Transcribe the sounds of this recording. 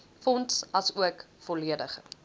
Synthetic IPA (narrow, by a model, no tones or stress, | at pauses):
fɔntsɐsuəkfɔliədəχ